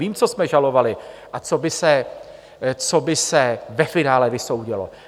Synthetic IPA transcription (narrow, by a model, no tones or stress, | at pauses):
iːmt͡so̞smɛʒalo̞valɪʔat͡so̞bɪsɛ | t͡sobɪsɛvɛfɪnaːlɛvɪso̞wɟɪlo̰